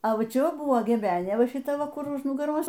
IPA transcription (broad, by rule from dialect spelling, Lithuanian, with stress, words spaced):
ɐ ˈʋɐ ˈt͡ʃʲɛ ˈʋɐ ˈbʊʋoː ɡʲɛˈbʲæːnʲeː ˈʋɐ ʃʲɪˈtɐ ˈʋɐ ˈkʊr ʊʃ nʊɡɐˈroːs